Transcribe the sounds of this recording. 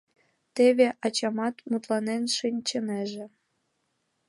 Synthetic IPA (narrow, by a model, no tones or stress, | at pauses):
t̪eβeʔɑt͡ɕɑmɑt̪mut̪lɑnenʃinʲt͡ɕə̆neʒĕ